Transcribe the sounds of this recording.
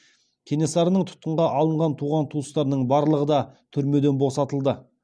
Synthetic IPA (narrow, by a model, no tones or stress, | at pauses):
kʲʰene̞sɑɾənəɴt̪ʰʊ̥t̪̚qəɴʁɑʔɑlˠəɴʁɑnt̪ʰuʁɑnt̪ʰuəst̪ɑɾnəɴbɑɾlˠəʁəd̪ɑt̪ʰʏɾme̞d̪e̞nbo̞sɑt̪əlˠd̪ə